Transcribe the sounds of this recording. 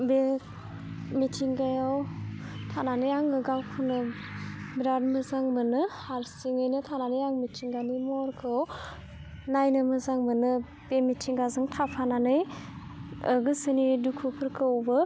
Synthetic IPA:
be | mitʰiŋɡajawtʰananɯjaŋɯɡawkʰɯnɯ | biɾadmɯzaŋmɯnɯhaɾsiŋɯjnɯtʰananɯjaŋmitʰiŋɡanimɔɾkʰɯw | najnɯmɯzaŋmɯnɯ | b̥emitʰiŋɡazɯŋtʰapʰananɯj | ɯɡɯsɯnidukʰupʰɯɾkʰɯwbɯ

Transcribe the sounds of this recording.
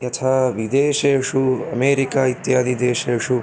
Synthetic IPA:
jɐt̪ʰaːʋid̪eːʃeːʂuɐmeːɾikaːit̪jaːd̪id̪eːʃeːʂu

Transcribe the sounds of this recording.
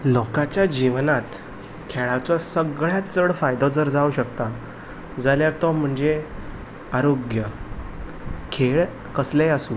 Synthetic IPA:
lɔkat͡ɕjad͡ʑiʋnat̪ | kʰeɭat͡sɔsəɡɭjat͡səɽfajd̪ɔd͡zəɾd͡zauɕəkt̪a | d͡zaljaɾt̪ɔm̤əɳd͡ze | aɾoɡjə | kʰeɭ | kəsleasuː

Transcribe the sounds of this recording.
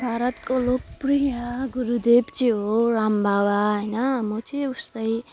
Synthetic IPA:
bʱaɾʌt̪kolokprijʌɡuɾud̪ebt͡sĩɦoɾambʱawaɦʌjnʌmot͡siust̪ʌj

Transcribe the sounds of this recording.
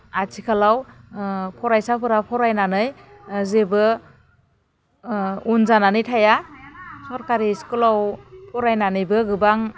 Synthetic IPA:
atʰikʰalaw | pʰɔɾajsapʰɯɾapʰɔɾajnanɯj | zebɯ | unzananɯjtʰajasɔɾkaɾiskulawpʰɔɾajnanɯjbɯɡɯbaŋ

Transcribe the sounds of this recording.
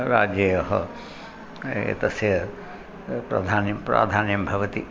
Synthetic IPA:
ɾaːd͡ʒjɐjɦɔ̰ | ḛt̪ɐsjɐ | pɾɐ̰d̪ʱaːnpɾa̰ːd̪ʱaːnjɐmbʱɐʋɐt̪i

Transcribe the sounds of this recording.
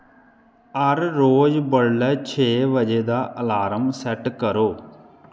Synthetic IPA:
əɾːoːd͡ʒbəɽlɛːt͡ʃʰeːʋəd͡ʒeːd̪aːʔəlaːɾəmsɛʈkəɾoː

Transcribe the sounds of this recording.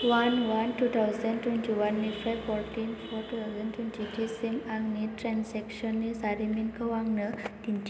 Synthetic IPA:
ʋanʋanʈut̪ʰawzəɳɖt̪wɛntiʋanːifajfɔɾʈinfɔɾʈut̪ʰawzəɳɖt̪wunt͡ɕiʈisimaɡniʈɾɛ̃nsɛkɕənːisaɾiminkəʋãŋɡɳət̪ĩɲt͡ɕ

